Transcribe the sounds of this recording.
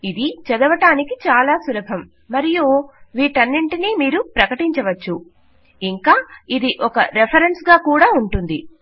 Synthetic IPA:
id̪it͡ʃɛd̪ɐʋɐʈaːnikit͡ʃaːlaːsulɐbʱɐmː | ɐɾijuːʋiːʈɐnːiɳʈiniːmiːɾupɾɐkɐʈiɲt͡ʃɐʋɐt͡ʃːu | iŋkaːid̪iʔɔkɐ̰ɾepʰɐɾensɡaːkuːɽaːuɳʈund̪i

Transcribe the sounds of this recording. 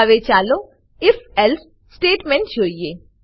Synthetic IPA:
ʋet͡ʃaːlo | ɪfɛls | sʈeːʈmeɳʈd͡ʒoːije

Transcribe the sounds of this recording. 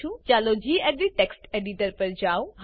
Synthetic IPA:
ũt͡ɕaːlod͡ʑiːɛd̪iʈeːksʈeːɖiʈəɾpɐɾd͡ʑaːũɦ

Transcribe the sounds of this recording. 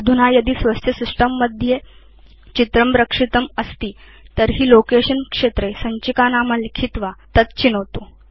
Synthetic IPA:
d̪ʱunajɐd̪iːsʋəst̪ʰjəsisʈəmːəd̪ʱje | t͡ɕit̪ɾəmɾəkʂit̪əməst̪iː | t̪əɾɦiːlokeɕənkʂet̪ɾesəɲt͡ɕikanaməlikʰit̪ʋat̪ət̪t͡ɕinəʋt̪o

